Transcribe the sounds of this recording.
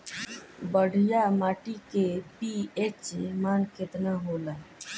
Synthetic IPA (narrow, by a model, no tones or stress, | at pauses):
bəɽ̤ʱijamaːʈikepiet͡ʃmaːnkɪt̪naɦola